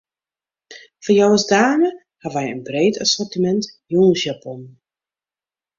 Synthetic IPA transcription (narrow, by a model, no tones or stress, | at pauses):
fɔjɔwəsdaːnə | haʋɛjənbrejtasɔrtimɛntjunsjapɔn